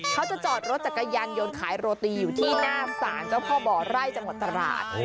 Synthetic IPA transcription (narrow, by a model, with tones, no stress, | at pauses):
kʰa˦˥wt͡ɕa˨˩t͡ɕɔː˨˩t̪̚ɾo˦˥t̪̚t͡ɕa˨˩kːa˧jaː˧njo˧nkʰaː˩˦jɾoː˧t̪iː˧juː˨˩t̪ʰiː˥˩naː˥˩sa̰ː˩˦nt͡ɕa˥˩wpʰɔː˥˩bɔː˨˩ɾa˥˩jt͡ɕa˧ŋwt̪ːɾa˧ɾa̰ː˨˩t̪̚